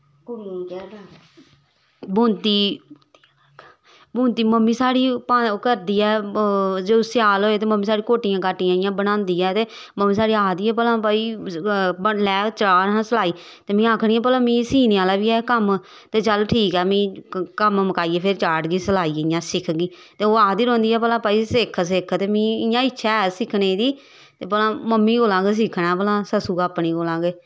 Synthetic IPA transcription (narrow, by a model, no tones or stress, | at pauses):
kː | bũːnt̪iː | bũːnt̪iːməmːiːsaːɽiːpakəɾd̪iːɛː | d͡ʒoːsɪaːloːeːt̪eːməmːiːsaːɽĩkoːʈɪjãːkaːʈɪjãːɪjãːbəɽ̃ãːnd̪iːɛːt̪eː | məmːĩːsaːɽiːaːd̪iːɛːp̬əlãːpaːiː | bəlɛːkt͡ʃəlaːɾɦãːsəlaːiː | t̪eːmĩːaːkʰɽiːɛ̃ːp̬əlãːmĩːsiːneaːlaːʋiːɛːkəm | t̪eːt͡ʃəlʈʰiːkɛːmĩːkəmməkaːiːɛːpʰɪɾt͡ʃaːɖɡiːsəlaːiːɪjãːsɪkʰɡiː | t̪eːoːaːd̪iːɾõːnd̪iːɛːpəlãːpaːiːsɪkʰs̬ɪkʰt̪eːmĩːɪjãːɪtːʃʰɛːsɪkʰneːd̪iː | t̪eːpəlãːməmːiːɡoːlãːɡeːs̬ɪkʰnaːpəlãːsəsuːɡaːpːɳiːɡoːlãːɡeː